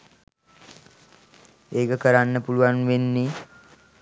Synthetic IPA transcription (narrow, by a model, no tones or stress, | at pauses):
eːkəkəɾanːəpuluʋanʋenːi